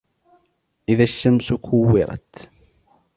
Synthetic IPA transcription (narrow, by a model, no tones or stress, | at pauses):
ʔɪðaʃːamsʊkʰʊwːɪɾˤɑ̰t̪